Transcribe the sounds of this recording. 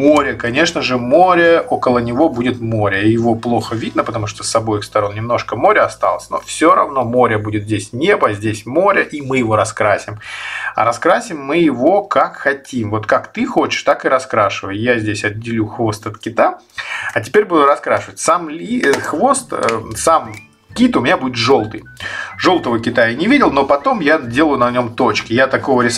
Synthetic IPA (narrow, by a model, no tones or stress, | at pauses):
mo̞ɾʲəkɐnʲeʂnəʐɨmo̞ɾʲəʔo̞kəlˠənʲɪvo̞budʲɪt̪mo̞ɾʲəijɪvo̞plˠo̞xəvʲid̪nəpət̪ɐmuʂt̪osːɐbo̞jkst̪ɐɾo̞nnʲɪmno̞ʂkəmo̞ɾʲəɐst̪a̰lˠəsʲno̞̰fsʲoɾɐ̰vno̞mo̞ɾʲəbudʲɪt̪zʲdʲesʲnʲe̞bəzʲdʲesʲmo̞ɾʲəʔimɨjɪvo̞ɾɐskɾasʲɪmɐ̰ɾɐskɾasʲɪmːɨjɪvo̞kakxɐtʲimvo̞t̪kakt̪ɨxo̞t͡ɕɪ̥ʂt̪akɨɾɐskɾaʂɨvəjʊjazʲdʲesʲɐdʲːɪlʲuxvo̞st̪ɐt̪kʲɪt̪a | ɐtʲɪ̥pʲeɾʲbud̪ʊɾɐskɾaʂɨvətʲsamlʲixvo̞st̪sam | kʲit̪ʊmʲnʲabudʲɪt̪ʐo̞lˠt̪ɨjʐo̞lˠt̪əvəkʲɪt̪ajnʲɪvʲidʲɪlˠno̞pɐt̪o̞mjadʲe̞lˠəjʊnɐnʲo̞mt̪ot͡ɕkʲɪjat̪ɐko̞vəɾʲɪs